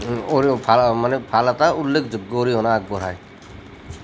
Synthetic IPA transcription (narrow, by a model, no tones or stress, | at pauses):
oɾpʰamanepʰalat̪aulːekʰd͡ʒoɡːɔoɾiɦɔnaːɡ̚bɔɾaj